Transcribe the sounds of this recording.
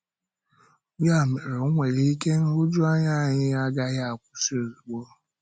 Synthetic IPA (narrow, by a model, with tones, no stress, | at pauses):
ɡ͡bja˦˨me˨ɾe˨˦ŋʷe˨li˦i˦ke˦ŋ̩˦u˦d͡ʒu˦a˦ɲa˦˨ɲɪ˦a˦ɡa˦ɣa˨kʷu˦si˦o˨zu˨ɡ͡bo˦